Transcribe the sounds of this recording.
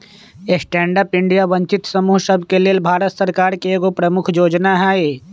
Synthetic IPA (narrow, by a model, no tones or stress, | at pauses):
esʈɛ̃ːɳɖəpɪ̃ɳɖijabɐ̃ɲt͡ʃɪt̪sɐmuːɦsəbʱkelelbʱaːɾət̪səɾkaːɾkeeːɡopɾəmʊkʰjoːd͡ʒnaɦɛːe